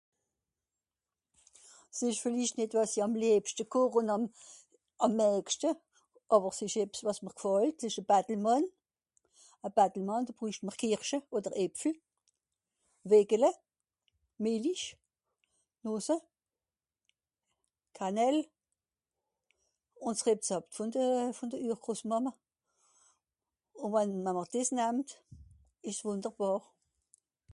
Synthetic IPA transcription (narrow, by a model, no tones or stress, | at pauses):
sɪʃfɪliʃtnɪtvɑsiɑmlɛːpʃtəkʰoʁʊnɑm | ɑmːɛːkʃtə | ʔɑːbəʁsɪʃɛpsvɑsməʁkfɑltsɪʃəb̥atl̩mɑn | əb̥atl̩mɑnd̥oːb̥ʁyːʃtməʁkʰɪʁʃəoːdəʁɛpfl̩ | veɡ̥ələ | meːliʃ | noːsə | kʰanɛl | ʊntsʁep̚t͡sɑptfʊndəfʊndəyːχkʁosmɑmə | ʊnvanməməʁd̥ɪsnæmt | ɪʃsvʊndəʁb̥ɑːʁ